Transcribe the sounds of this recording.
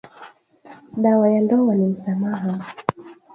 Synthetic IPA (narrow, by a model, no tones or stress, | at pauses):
ɗawajandɔwanim̩samaɦa